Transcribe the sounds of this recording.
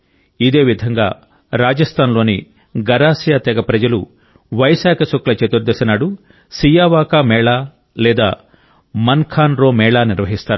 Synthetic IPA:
id̪e̞ːʋid̪ʱɐŋɡa̰ː | ɾaːd͡ʒɐst̪ʰaːnloːni | ɡɐɾaːsjaːt̪ɛɡɐpɾɐd͡ʒɐlṵ | ʋɐjsaːkʰɐsoklɐt͡ʃet̪uɾd̪esɐnaːɽu | sijaːʋaːkamɛːɭaː | lɛːd̪aː | mɐnkʰaːnɾoːmɛːɭaːniɾʋɐɦist̪aːɾu

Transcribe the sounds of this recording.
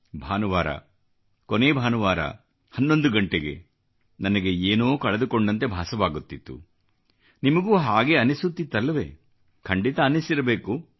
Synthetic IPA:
bʱaːnuʋaːɾɐ̰ | koneːbʱaːnuʋaːɾɐ̰ | hɐnːo̞nd̪uɡɐɳʈeɡe̞̰ | nɐnɐɡe̞eːnoːkɐɭɐd̪ukoɳɖɐnt̪e̞bʱaːsɐʋaːɡut̪ːit̪ːṵ | nimɐɡuːɦaːɡe̞ɐnisut̪ːit̪ːɐlːɐʋḛː | kʰɐɳɖit̪ɐːnisiɾɐbe̞ːku

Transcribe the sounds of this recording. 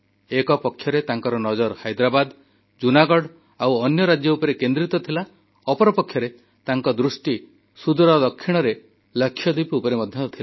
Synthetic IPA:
ekɔpɔkʰːjɔɾet̪aŋkɔɾɔnɔd͡ʒɔɾhajd̪ɾabad̪ | d͡ʒunaɡɔɽ | awɔnjɔɾad͡ʒjɔupɔɾekend̪ɾit̪ɔt̪ʰila | ɔpɔɾɔpɔkʰːjɔɾe | t̪aŋkɔd̪ɾusʈi | sud̪ɔɾɔd̪ɔkʰːiɽ̃ɔɾe | ləkʰːjɔd̪ipiupɔɾemɔd̪ʱjɔt̪ɔt̪ʰila

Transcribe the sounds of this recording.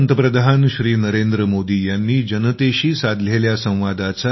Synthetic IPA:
nt̪əpɾəd̪ʱanɕɾiːnəɾend̪ɾəmod̪iːjanːiːd͡ʑənət̪eɕiːsad̪ʱleljasə̃w̃ʋad̪at͡sa

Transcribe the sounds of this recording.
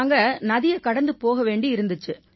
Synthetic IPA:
ŋɡɐnɐðɪjɐkɐɽɐnd̪ɯpoːɣɐʋeːɳɖiɪɾɯnd̪ɯt͡ʃːɯ

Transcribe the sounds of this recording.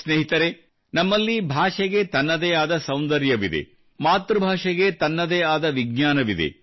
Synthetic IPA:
sneːɦit̪ɐɾe | nɐmːɐlːibʱaːʂɐɡe̞t̪ɐnːɐd̪eːaːd̪ɐsɐwnd̪ɐɾjɐʋid̪ḛ | maːt̪ɾubʱaːʂɐɡet̪ɐnːɐd̪eːaːd̪ɐʋiɡ̚ɲaːnɐʋid̪ḛ

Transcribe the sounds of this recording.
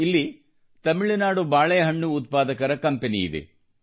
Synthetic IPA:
ilːi | t̪ɐmiɭinaːɽubaːɭɐjɐɦɐɳːuːt̪̚paːd̪ɐkɐɾɐkɐmpenḭḭd̪ḛ

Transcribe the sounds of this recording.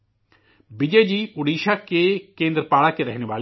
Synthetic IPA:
bid͡ʒeːd͡ʒiːʊɽiːʃaːkekẽːnd̪ɾəpaːɽaːkeɾɛɦneʋaːl

